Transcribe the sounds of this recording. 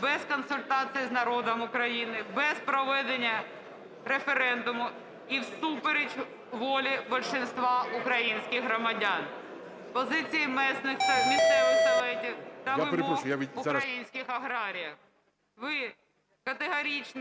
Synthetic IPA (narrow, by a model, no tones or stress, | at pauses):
bɛzkɔnsʊlʲt̪ɑsɨjiznɐɾɔd̪ɐmʊkɾɐjinɪbɛspɾɔʋɛd̪enʲːɐ | ɾefeɾɛnd̪ʊmʊ | iwsupeɾʲedʲ | ʋɔlʲɪbɐlʲʃɪnst̪ʋɑʊkɾɐjinʲsʲkʲɪɣɦɾɐmɐdʲan | pɔzɪt͡sʲɪjɪmɛsnɪxt̪ɐmʲisɛʊzɐʋɛtʲɪd̪ɐʋɪɔʊkɾɐjinʲsʲkʲɪxɐɦɾɑɾʲɪjɐ | ʋɪ | kɐt̪eɦɐɾʲit͡ʃn